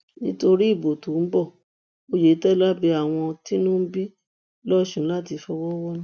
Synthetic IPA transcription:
nĩ˦to˧ɾi˦i˦˨bo˨tu˨˦m̩˦bɔ˦˨ | o˧je˨˦tɛ˦la˦bi˧a˨w̃ɔ̃˧ti˦nũ˦bi˦ | lɔ˦ʃũ˦la˦˨ti˧fɔ˧wɔ˦wɔ˦nũ˦

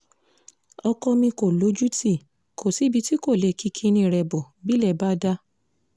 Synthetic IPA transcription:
ɔ˧kɔ˧mĩ˧ko˨lo˨˦d͡ʒu˦ti˦˨ | kʰo˨si˨˦bi˧ti˦ko˦˨le˨kʰi˧kʰi˧˦nĩ˧˨ɾɛ˧˨bɔ˨ | bi˦lɛ˦˨ba˦da˦

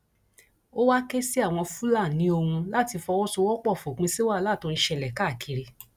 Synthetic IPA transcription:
o˦wa˦ke˦si˦a˦˨w̃ɔ̃˧fũ˦la˦˨nĩ˨˦o˧ũ˧la˦˨ti˧fɔ˧wɔ˦so˧wɔ˦k͡pɔ˦˨fo˨k͡pĩ˧si˦wa˦˨la˦˨to˧ɾĩ˧ʃɛ˧˨lɛ˨ka˦˨kʰi˨˧ɾi˧

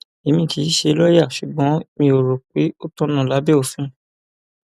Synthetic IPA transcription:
e˨mĩ˧˨ti˨˦ʃe˧˦lɔ˦ja˦˨ʃu˨ɡ͡bɔ̃˨˦mĩ˧o˨ɾo˨k͡pe˨˦o˦tɔ̃˦nã˦˨la˨˦be˦o˦˨fũ˨˦

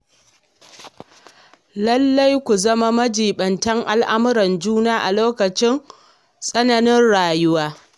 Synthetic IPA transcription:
lɐ˦lːa˦jkʷu˨zɐ˦ma˦mɐ˦d͡ʒiː˨ɓɐ˨ntɐ˦ŋʔa˨lʔa˦mʊ˦ɾɐ˨nd͡ʒuː˦naː˦ʔa˨loː˦kɐ˨t͡ʃɪ˦ŋ | sʼɐ˦nɐ˨nɪ˦nɽaː˨jʊ˦waː˦

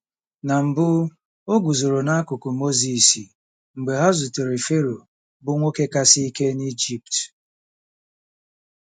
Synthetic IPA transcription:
na˨m̩˨bʊ˦ | o˦ɡʊ˨zo˨ɾo˨na˦a˦kʊ˨kʊ˨mo˦zi˨si˨ | ŋ͡m̩˨ɡ͡be˨ɦa˦zʊ˨tʊ˨ɾi˨fe˦ɾo˨ | bʊ˦ŋʷo˦ke˦ka˦si˦i˦ke˦ni˦d͡ʒi˦p̚t

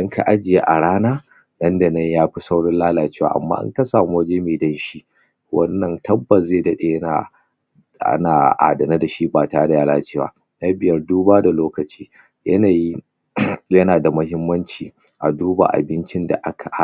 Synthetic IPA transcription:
ʔɐ˦ŋkʰa̰˨ʔa˦d͡ʒɪ˨je˦ʔa˨ɽaː˦naː˦ | nɐ˦nda˨nɐ˦ɲjaː˦ɸi˦sa˦wɽɔ˦nlaː˦laː˨t͡ʃeː˦wa̰ː˨ʔa̰˨mːa̰ː˦ʔa̰˦ŋkɐ˦saː˨mo˦d͡ʒeː˦meː˨dɐ˦nʃi˦ | wɐ˦nːɐ˦ntʰɐ˦bːɐ˨szeː˦˨dɐ˦ɗe˨jɐ˦na̰˨ | a̰˦naː˨ʔa̰ː˨dɐ˨na˦da˨ʃi˦baː˨ta˦da˨jaː˦laː˦t͡ʃeː˦wa̰ː˦ | nɐ˦bɪ˨jɐ˦rduː˦baː˦da˨loː˦kɐ˨t͡ʃi̥ː˦ | jɐ˦na˨ji˦ | jɐ˦naː˨da˨mʊ˦ɦɪ˦mːɐ˦nt͡ʃiː˨ | ʔa˨duː˦ba̰˨ʔa̰˨bɪ˦nt͡ʃɪ˦nda̰˨ʔa˦kʰa˨ʔ

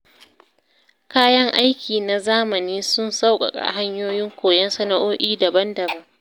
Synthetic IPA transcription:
kaː˦jɐ˦ŋʔa˦jkʲʰiː˨na˨zaː˦mɐ˨niː˦sʊ˦nsa˦wkʼɐ̰˨kʼa̰˨ɦa˦ɲjoː˦jɪ˦ŋkʷoː˨jɛ˦nsɐ˦na˨ʔoː˦ʔʲiː˦dɐ˨bɐ˦ndɐ˨bɐ˦ŋ

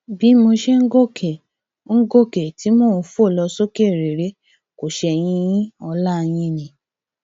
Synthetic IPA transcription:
bi˨˦mo˧ʃɛ˦ŋ̩˦ɡo˦˨kʰɛ˨ | ŋ̩˦ɡo˦˨kɛ˨ti˨˦mo˦˨˧fo˦˨lɔ˧so˦ke˦˨ɾe˨ɾe˨˦ | ko˨ʃɛ˧j̃ĩ˧jĩ˦ɔ˧la˦˨j̃ĩ˧nĩ˨

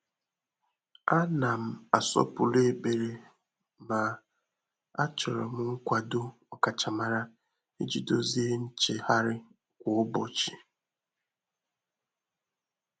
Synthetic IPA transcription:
a˦na˨m̩˨a˨sɔ̰˦pʊ˨le˦e˦be˨ɾe˨ | ma˨ | a˦t͡ʃɔ˨ɾɔ˨m̩˦ŋ̩˦kʷa˨do˦ɔ˨ka˨t͡ʃa˨ma˨ɾa˦ | e˦d͡ʒi˨do˦zi˦e˦n̩˦t͡ʃe˨ha˦ɾɪ˦ | kʷʊ˨ʊ˦bɔ˨t͡ʃi˨

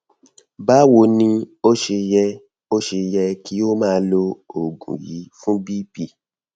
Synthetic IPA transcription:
ba˦wo˧˦nĩ˧o˦ʃe˧jɛ˧ | o˦ʃe˧jɛ˧ki˦o˦mãː˦˧lo˧o˨ɡṵ̃˨jḭ˨˦fũ˦bi˦pi˨

